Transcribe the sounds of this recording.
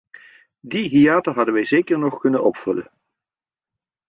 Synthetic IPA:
diɦiaːtəɦɑdəʋɛjzeːkəɹnɔχkɵnənɔpfɵlə̰n

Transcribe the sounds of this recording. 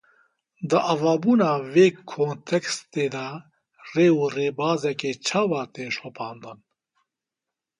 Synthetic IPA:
d̪əʔavaːbuːnaːveːkʰoːnt̪ʰɛkst̪eːd̪a | reːureːbaːzɛkeːt͡ʃʰaːwaːt̪eːʃɔpʰaːnd̪ɨn

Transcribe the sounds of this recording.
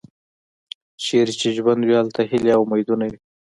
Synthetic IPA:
ʃeɾt͡ʃeʒwand̪wialt̪ahɪleawmajd̪unawi

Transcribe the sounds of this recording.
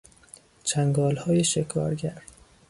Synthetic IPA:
t͡ʃʰæŋɡɒːlhɒːjeʃekʰɒ̰ːɾɟæɾ

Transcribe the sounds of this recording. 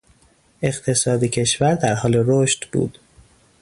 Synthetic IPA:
e̞ɢt̪ʰe̞sɒːd̪ecʰe̞ʃvæɾd̪æɾɦɒːleɾoʃt̪b̥ṵːd̪̥

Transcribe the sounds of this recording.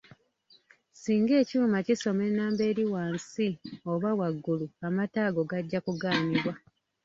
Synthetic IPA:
siːŋɡe̞ːcuːmaciso̞me̞naːmbe̞ːɾiwaːnsio̞βawaɡːuluamataːɡo̞ɡaɟːakuɡaːmiβwa

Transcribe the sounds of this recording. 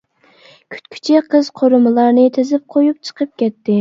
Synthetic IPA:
kʲʰy̥t̪kʲʰy̥t͡ʃʰiqʰəz̥qʰoɾɨmɨlˠɑɾnɨt̪ʰezɪp̚qʰojup̚t͡ʃʰə̥qʰəp̚kʲʰɛt̪ːɪ

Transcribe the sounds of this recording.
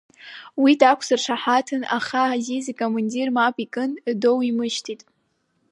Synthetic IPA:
widakʷʰsɨrʂʰaħatʰɨna̰χazizikʼomandirmapʼikʼɨndowimɨʃtʰitʼ

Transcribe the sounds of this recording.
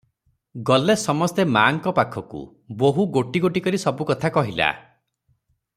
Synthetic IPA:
ɡɔlesɔmɔst̪emaŋkɔpakʰɔkṵ | boɦuɡoʈiɡoʈikɔɾisɔbukɔt̪ʰakɔɦila̰

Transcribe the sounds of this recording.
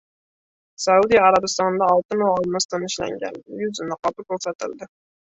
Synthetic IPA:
sæud̪ijɑɾɑbɨst̪ɑnd̪ɑːlˠt̪ɨnuɑlˠnɨst̪ɨnɪʃlæ̰ŋɡʲɛ̰njyzɪnɪqɑbɨɾkʲøɾsɛt̪ɪ̰ld̪ɪ

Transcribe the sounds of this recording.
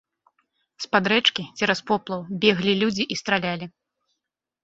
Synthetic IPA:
spad̪ɾɛt͡ʂkʲit͡sʲɛɾɐspɔplˠɐwbʲɛɣlʲilʲud͡zʲiʔist̪ɾalʲalʲi

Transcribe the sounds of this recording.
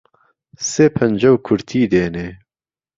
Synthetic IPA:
seːpʰɐnd͡ʒɐwkʰʊɾt̪ʰiːd̪eːneː

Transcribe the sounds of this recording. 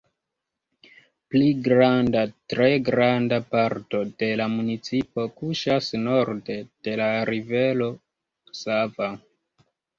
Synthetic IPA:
pliɡɾandatɾe̞ɡɾandapaɾto̞d̥e̞lamunit͡sipo̞kuʃasno̞ɾde̞d̥e̞laɾive̞lo̞ | sava

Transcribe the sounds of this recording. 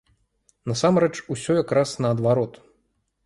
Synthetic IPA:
nɐsamɾɛt͡ʂusʲɔjakɾasnɐːd̪vaɾɔt̪

